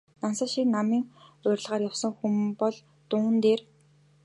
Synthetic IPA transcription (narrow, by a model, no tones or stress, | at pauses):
nansə̆ʃiknamiːŋʊːrʲɮʁaːrjawsə̆ŋxumpɔɮ | t̪ʊːnt̪eːr